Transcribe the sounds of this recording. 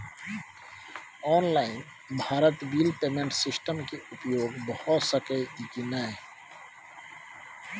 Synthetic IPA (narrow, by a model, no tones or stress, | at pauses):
ɔːnlaːɪn | bʱaːɾət̪biːlpeːmẽɳʈsɪsʈəmkeʊpjoːɡbəhʊt̪səkəiikinae